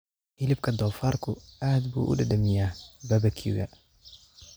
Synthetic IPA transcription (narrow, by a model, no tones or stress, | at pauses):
ʔɪlɪb̚kʰɐd̪ɔːfaːrkʰʊaːd̪bṵːʔʊ̰ɖɐɖɐmɪjaːbɐbɐkʰṵɣɐ̰